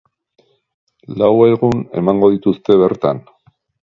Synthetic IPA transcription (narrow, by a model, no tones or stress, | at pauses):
laweɣune̞̰maŋɡo̞ðit̪ust̪e̞βe̞ɾt̪a̰n